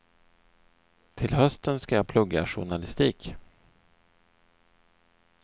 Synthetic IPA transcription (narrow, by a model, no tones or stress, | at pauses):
t̪ʰɪlɦœst̪ənskajɑːpʰlɵɡːa̰ʂʊ̰ɳalɪst̪iːk